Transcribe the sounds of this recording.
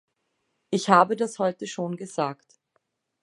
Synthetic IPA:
ʔɪçhaːbədashɔʏtəʃoːnɡəzaːkt

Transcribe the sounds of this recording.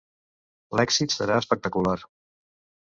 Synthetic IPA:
lɛksit̪səɾaəspək̚t̪əkular

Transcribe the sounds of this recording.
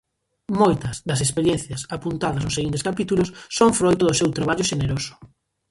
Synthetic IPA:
mojt̪ɐzd̪ɐsespeɾjenθjɐsapunt̪aðɐznʊseɣint̪̬eskapit̪ulʊsːoŋfɾojt̪ʊðʊsewt̪ɾaβaʎʊʃeneɾosʊ̥

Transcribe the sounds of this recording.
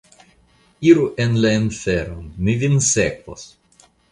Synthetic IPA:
iɾuʔenlainfɛɾomːivʲinsɛkvo̰s

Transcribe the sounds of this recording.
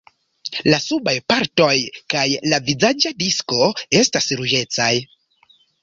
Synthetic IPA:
lasubajpaɾto̞jkajlavizad͡ʒadisko̞e̞stasɾud͡ʒe̞t͡saj

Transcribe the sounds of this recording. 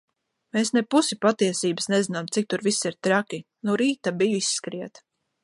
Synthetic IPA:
meːsnɛpusipat̪iɛsiːbəsnɛzinamt̪sik̚t̪uɾvisiɾt̪ɾakʲi | nuɾiːt̪abijisːkɾiɛt̪

